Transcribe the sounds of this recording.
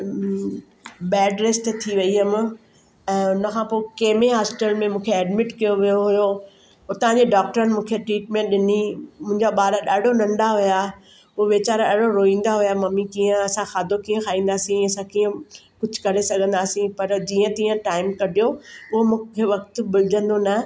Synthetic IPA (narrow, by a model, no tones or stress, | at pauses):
ɓɛːɖɾeːsʈ̪t̪ʰiʋɐiɦɐm | ɛ̃ːʊnəkʰãːpoːkeːmeɦaːsʈəlmẽmũːkʰeɛːɖmɪʈkijoʋijoɦʊjo | ʊt̪ɐɦãɲd͡ʑeɖaːk̚ʈəɾənɪmũːkʰeʈɾiːʈmẽɗɪnimʊ̃ɦɪ̃ɲd͡ʑaɓaːɾaɗaːɖ̤onɐ̃ɳɖaɦʊja | ooʋeːt͡ɕaːɾɗɐɽoɾoːĩːn̆d̪aɦʊjamɐmikiːə̃ɐsãxaːd̪ʱokiːə̃kʰaːĩːn̆d̪aːsĩɐsãkiːə̃ | kʊd͡ʑʱkɐɾesɐɡʱə̃nd̪aːsĩpɐɾd͡ʑiːə̃t̪iːə̃ʈaːɪmkɐɗʱijoʊɦomũːkʰeʋɐk̚t̪bɪlɪd͡ʑ̪ʱə̃nd̪onɐ